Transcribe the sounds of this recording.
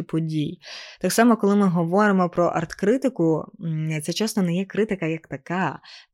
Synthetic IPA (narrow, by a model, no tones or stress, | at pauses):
pɔdʲijt̪aksɑmɔkɔlˠɪmɪɦɔʋɔɾɪmɔpɾɔʔɐrt̪kɾɪt̪ɪkʊt̪sɛt͡ʃɛst̪ɔnɛjɛkɾɪt̪ɪkɐjɐkt̪ɐkɑ